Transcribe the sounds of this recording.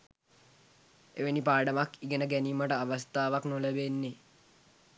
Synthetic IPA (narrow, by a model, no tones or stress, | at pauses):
eʋenipaːɖəmakiɡənəɡæniːməʈəaʋəst̪aːʋaknoləbenːe